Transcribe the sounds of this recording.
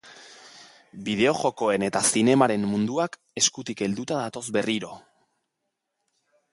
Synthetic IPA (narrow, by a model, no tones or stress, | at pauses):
biðe̞o̞ʝo̞ko̞e̞ne̞t̪asine̞maɾe̞mːund̪uak | e̞skut̪ike̞ld̪ut̪aðat̪o̞zbe̞riɾo̞